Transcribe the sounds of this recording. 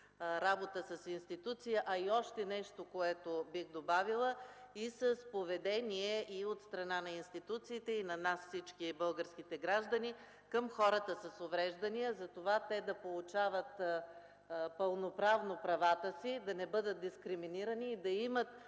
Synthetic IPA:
ɾabot̪əsɐsinst̪it̪ut̪sijəʔɐiɔʃt̪ɛnɛʃt̪okoɛt̪obixd̪obavilˠəisəspovɛd̪ɛniɛʔiot̪st̪ɾɐnanɐinst̪it̪ut̪siːt̪ɛinɐnasfsit͡ʃkibɤlˠɡəɾsk̟it̪ɛɡɾaʒd̪ɐni | kəmxɔɾət̪əsəsovɾɛʒd̪ənijəzɐt̪ovat̪ɛd̪ɐpolˠut͡ʃavət̪ | pəlˠnopɾavnopɾɐvat̪əsid̪ɐnɛbɤd̪ət̪̚d̪iskɾiminiɾəniːd̪ɐimət̪

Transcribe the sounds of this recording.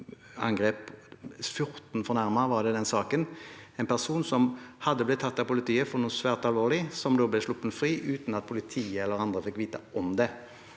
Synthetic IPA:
ɑ̰ŋɡʁeːpfjʊɾt̪n̩fɔʁnæʁmɑʋɑʁd̪ɛd̪ɛnsɑːkənɛnpʰæʁsuːnsɔmhɑd̪ːəblɪt̪ʰːɑt̪ːɑpʊlɪt̪ʰiːəfɔʁnuːnsʋæːʁt̪ɑlʋoːlɪsɔmd̪oːblɛʂlʊpːənfɾiːʔʉːt̪nɑt̪̚pʰʊlɪt̪ʰiːəɛlːəɾɑnd̪ʁəfɪkːʋiːt̪əʔɔmd̪ɛ

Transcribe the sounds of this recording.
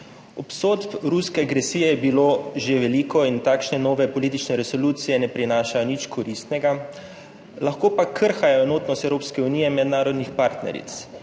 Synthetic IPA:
ɔpsoːt̪pɾuskɛaɡɾɛsiːjɛjɛbiloːʒeʋɛliːkɔint̪aːkʃnɛnɔːʋɛpɔliːt̪it͡ʃnɛɾɛsɔluːt̪sijɛnɛpɾinaːʃajɔnit͡ʃkʰɔɾist̪nɛɡa | laxkoːpakʰəɾxajɔɛnoːt̪nɔst̪ɛwɾoːpskɛuniːjɛmɛd̪naːɾɔd̪nixpaɾt̪nɛ̰ɾḭt̪s

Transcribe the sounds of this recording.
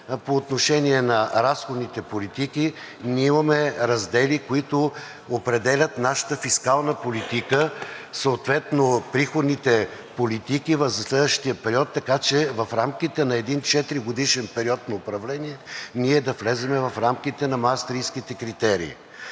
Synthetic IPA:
poːt̪noʃɛniɛnɐɾasxod̪nit̪ɛpolit̪iki | nʲiimɐmɛɾɐzd̪ɛlikoit̪ʊ | opɾɛd̪ɛlʲɐt̪naʃə̥t̪əfiskalˠnəpolit̪ikəsoːt̪vɛt̪nopɾixod̪nit̪ɛ | polit̪ikivɐfzɐslɛd̪vəʃt̪ijəpɛɾiɔt̪ːɐkat͡ʃɛvɐfɾamkit̪ɛnɐɛd̪int͡ʃɛt̪ɾiɡod̪iʃɛnpɛɾiɔt̪nɐopɾɐvlɛniɛniɛd̪ɐflɛzɛmɛvɐfɾamk̟it̪ɛnɐmast̪ɾijskit̪ɛkɾit̪ɛɾḭː

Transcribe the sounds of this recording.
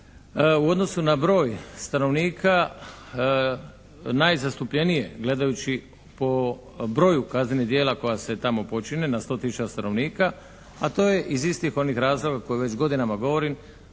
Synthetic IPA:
uo̞d̪no̞sunabɾo̞ːjst̪ano̞ʋniːkʰa | najzast̪upʎe̞nije̞ɡle̞d̪ajut͡ʃi | po̞ | bɾo̞jukaznɲenid̪jeːlako̞jase̞t̪amo̞po̞t͡ʃinenast̪o̞t̪isut͡ʃast̪anʔo̞ʋniːka | at̪o̞ːje̞ʔizist̪ixo̞nixɾaːzlˠo̞ɡako̞juʋe̞t͡ʃɡo̞d̪inamaɡo̞ʋo̞ɾim

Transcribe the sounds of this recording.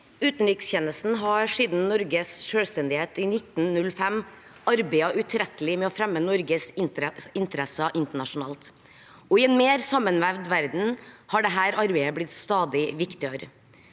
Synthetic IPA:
ʉːt̪nɾɪksçɛnəsn̩ɦɑɾʂiːd̪n̩nɔɾɡəsʂøːlst̪ɛnd̪ɪheːt̪inɪt̪nnʉlfɛm | ɑɾbæɪɑʔʉt̪ʰɾɛt̪əlɪmɛɔfɾɛmːənɔɾɡəsɪnɪnt̪əɾɛsəʔɪnt̪əɳɑʂʊnɑ̰ːlt̪ | ɔɪɛːnmeːɾsɑmːənʋæʋd̪ʋæɾd̪n̩hɑːɖɛɦæːɾɑɾbeɪəblɪt̪st̪ɑːd̪ɪʋɪkt̪ɪəɾə

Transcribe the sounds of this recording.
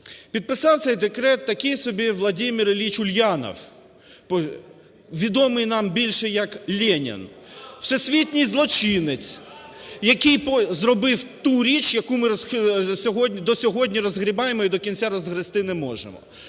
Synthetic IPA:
pʲid̪̚pɪsɑwt̪sɛjd̪ekɾɛt̪ːɐkɪjsɔbʲiʋlˠɐdʲimʲiɾlʲit͡ʃʊlʲjɑnɔ̰w | pɔ | ʋʲid̪ɔmɪjnɑmbʲilʲʃɛjɐklʲɛnʲɪ̰nw̥sɛsʲʋʲit̪ʲnʲijzlˠɔt͡ʃɪnɪt͡sʲ | jɐkɪjpɔzrɔbɪwt̪uɾʲit͡ʃjɐkumɪɾsʲɔɦɔdʲnʲid̪ɔsʲɔɦɔdʲnʲiɾɔzɦɾʲibɑjemɔid̪ɔkʲinʲt͡sʲaɾɔzɦɾɪst̪ɪnɛmɔʒḛmɔ̰

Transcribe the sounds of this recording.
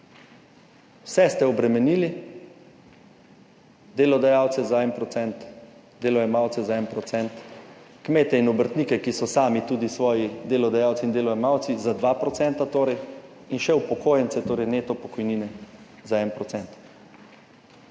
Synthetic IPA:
wsɛst̪ɛɔbɾɛmɛniːli | d̪eːlɔd̪ajaːwt̪sɛzaɛnpɾɔsɛnt̪ | d̪eːlɔjɛmawt̪sɛzaɛnpɾɔt̪sɛnt̪ | kmeːt̪ɛinɔbəɾt̪nikɛkisɔsaːmit̪uːd̪isʋɔːjid̪eːlɔd̪ajaːwsind̪eːlɔɛmawt̪sizad̪ʋapɾɔt̪sɛnt̪at̪oːɾɛj | inʃɛupɔkoːjɛnt̪sɛt̪oːɾɛjneːt̪ɔpɔkɔjniːnɛ | zaɛnpɾɔt̪sɛnt̪

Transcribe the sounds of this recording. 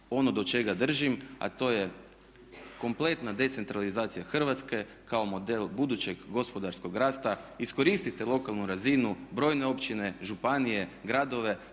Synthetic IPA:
o̞no̞d̪ot͡ʃe̞ɡad̪r̩ʒima̰t̪o̞ːje̞ | ko̞mple̞t̪nad̪e̞t̪se̞nt̪ɾalizaːt̪sijaxr̩ʋat̪ske̞ | kao̞mo̞d̪e̞lbud̪ut͡ɕe̞ɡɡo̞spo̞d̪aɾsko̞ɡɾaːst̪aisko̞ɾist̪it̪elˠo̞kalˠnuɾazinubɾo̞ːjne̞o̞pt͡ʃine̞ʒupanije̞ɡɾad̪o̞ʋe̞

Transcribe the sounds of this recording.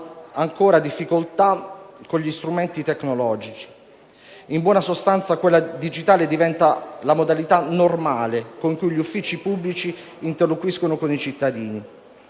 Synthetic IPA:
aŋkoːɾad̪ifːikolt̪akːoɲʎist̪ɾument̪it̪ekːnolɔːd͡ʒit͡ʃi̥ | imbwɔːnasost̪ant̪sakwelːad̪id͡ʒit̪aːled̪ivɛnt̪alamod̪alit̪anormaːlekoŋkujʎufːiːt͡ʃipubːlit͡ʃiː | nt̪erlːokwiskonokonit͡ʃit̪ːad̪iːni

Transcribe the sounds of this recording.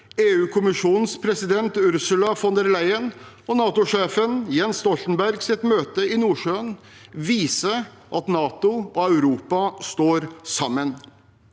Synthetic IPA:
eːʉːkʰʊmɪʂuːnn̩spʰɾɛsɪd̪ɛnt̪ʉɾsʉlɑfɔnd̪əɾlæɪən | ɔnɑːt̪ʊʂeːfənjɛnst̪ɔlt̪n̩bæɾɡsɪt̪møːt̪əɪnuːʂøːn | ʋiːsə | ʔɑt̪nɑːt̪ʊɔɑʉɾuːpɑst̪oːɾsɑmːən

